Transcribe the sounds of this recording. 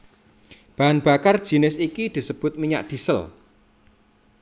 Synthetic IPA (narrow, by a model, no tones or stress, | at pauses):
b̥a̤ɦanb̥a̤kard̥ʒ̥i̤nɪsikid̪̥i̤səb̥ʊ̤t̪̚miɲa̰ʔd̪̥i̤səl